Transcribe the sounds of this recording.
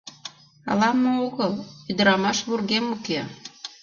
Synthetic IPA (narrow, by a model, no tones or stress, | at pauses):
ɑ̰lɑmːooɣəlyd̪ə̆ɾɑmɑʃβurɣemuke